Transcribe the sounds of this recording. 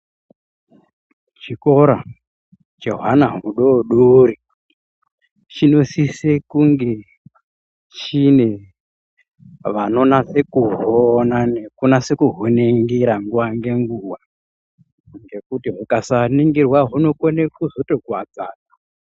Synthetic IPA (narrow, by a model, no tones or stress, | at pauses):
t͡ʃiko̞ɾa | d͡ʒo̞ɦanaɦuɗoɗuɾi | t͡ʃino̞sisekuŋɡe̞ | t͡ʃine̞ | ʋano̞nasekuɦonanekunase̞kuɦoneŋɡiɾaŋɡuwaŋɡe̞ŋɡuwa | ŋɡe̞kutiɦukasaniŋɡirwaɦuno̞konekuzotoɡʱwad͡zaːna